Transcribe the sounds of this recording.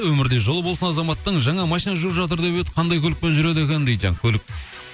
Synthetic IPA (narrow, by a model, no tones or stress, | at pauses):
wɵmɪɾd̪e̞ʒo̞lˠəbo̞lˠsənɑzɑmɑt̪ːəɴʒɑɴɑmɑʃijnɑʒuɾəpʒɑt̪̬əɾd̪eβet̪ə̥qʰɑnd̪ɑjkʰʲɵlɪk̚pe̞nʒʏɾe̞d̪ɪkʲend̪ejd̪ʒɑ̰ŋkʲʰɵlɪk̚